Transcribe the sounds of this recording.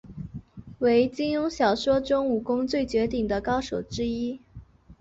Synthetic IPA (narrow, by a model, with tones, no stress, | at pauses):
we˧˥ɪt͡ɕi˥njʊ˥ŋɕjɑ˨˩ʊʂwɔ˥ʈ͡ʂʊ˥ŋu˨˩kʊ˥ŋt͡swe˥˩ɪt͡ɕɥɛ˧˥t̪i˥˩ŋd̪ə˦kɑ˥ʊʂo˨˩ʊʈ͡ʂɻ̩˥i˥